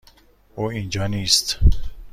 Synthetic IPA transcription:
oːind͡ʒɒːniːst̪

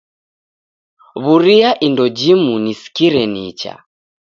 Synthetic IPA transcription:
βuɾiaʔindɔd͡ʒimunisi̥kiɾɛnit͡ʃa̰

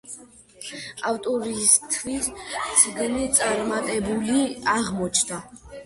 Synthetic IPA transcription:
awt̪ʼɔɾist̪ʰvissʰɡnit̪sʼaɾmat̪ʼɛbuliaʁmɔt͡ʃʰd̪a

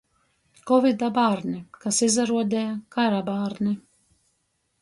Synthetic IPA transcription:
kɔvid̪abaːɾnʲikasizaɾuɔd̪ʲɛjakaɾabaːɾni

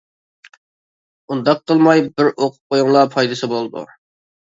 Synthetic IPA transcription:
und̪ɑq̚qʰːəlˠmɑjbɪɾʔoqʰʊ̥p̚qʰojuŋlˠɑpʰɑjd̪ɨsɨbolˠɨd̪ṵ

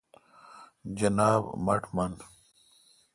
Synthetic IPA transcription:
d͡ʑɐnaːbmɐʈʰmɐn

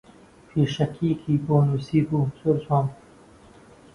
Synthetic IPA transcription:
fiʂɐkʰiːkʰiːpoːnusiːpusuɾsoːm

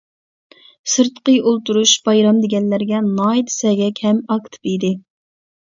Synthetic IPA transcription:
sɨɾt̪qəjolˠt̪uɾuʃb̥ɑjɾɑmd̪ɪɡʲɛnlæɾɡʲɛnɑːid̪ɨ̥sɛɡʲɛkʲʰhɛmɑkt̪ʰɨ̥pid̪ɪ

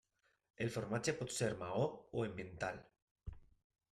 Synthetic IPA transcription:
elfoɾmat͡ʃepot̪seɾmaooembẽnt̪al

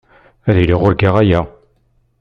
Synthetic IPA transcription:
æðiliʁʊɾɡaʁæjæ

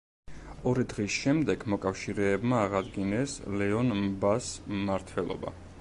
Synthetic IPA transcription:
ɔɾid̪ʁisʃɛmd̪ɛɡmɔkʼafʃiɾɛːbmaːʁad̪ɡinɛslɛɔnmbasːaɾt̪ʰwɛlˠɔ̰ba̰

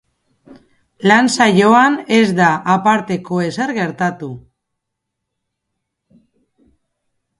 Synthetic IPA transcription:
lansajo̞ane̞zd̪aʔapaɾt̪e̞ko̞e̞se̞ɾɣe̞ɾt̪at̪u

